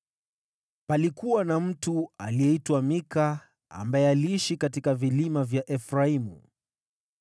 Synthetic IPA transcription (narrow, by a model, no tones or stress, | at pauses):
palikuwanam̩tualijɛitwamika̰ː | mbaɛaliiʃikatikavilimavjaʔɛfɾaimṵ